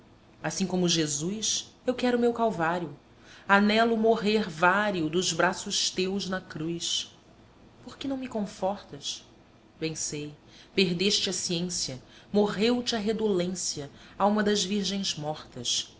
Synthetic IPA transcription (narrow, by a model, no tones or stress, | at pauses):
asĩkõmʊʒezujsewkɛɾʊmewkawvaɾjʊ | anɛlʊmoɦeɾvaɾiʊd̪ʊzbɾasʊʃt̪ewznɐkɾujs | poχkɪnɐ̃w̃mikõfɔχt̪ɐʃ | b̥ẽj̃sej | peɦd̪eʃt͡ʃɪɐsiẽsijɐmoʁewt͡ʃɪɐɦed̪olẽsiɐaũmɐd̪ɐzviɾʒẽj̃zmɔχt̪ɐs